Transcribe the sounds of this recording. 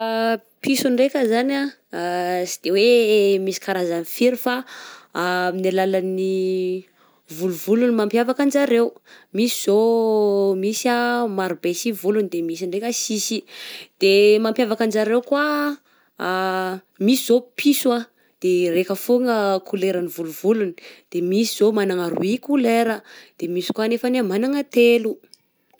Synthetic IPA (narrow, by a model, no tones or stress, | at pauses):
pisuɳɖ͡ʐekʲəzana | sid̪̥ewemisi̥kaɾazanifiɾifa | minalalani | vuluvulunimampjavakand͡ʒaɾewmisi̥z̥o | misamaɾubesivulunid̪emisiɳɖ͡ʐekʲəsisid̪̥emampjavakand͡ʒaɾewkwa | misiz̥opʰisua | d̪̥erekəfoŋəkʰuleɾanivuluvulunid̪̥emisiz̥omanaŋəɾṵikuleɾəd̪̥emisi̥kwanefanemanaŋət̪elu